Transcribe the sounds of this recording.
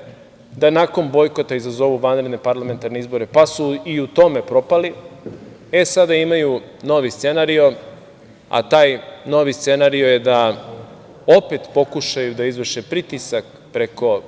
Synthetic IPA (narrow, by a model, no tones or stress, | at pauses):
d̪anako̞nbo̞jko̞t̪aizazo̞ʋuʋanɾed̪nepaɾlˠame̞nt̪aɾneizbo̞ɾepasuiut̪o̞me̞pɾo̞pali | e̞sad̪aimaju | no̞ʋist̪se̞naɾio̞ | a̰t̪aːjno̞ʋist̪se̞naɾio̞je̞d̪a | opet̪po̞kuʃajud̪aizʋrʃepɾit̪isak | pɾe̞ko̞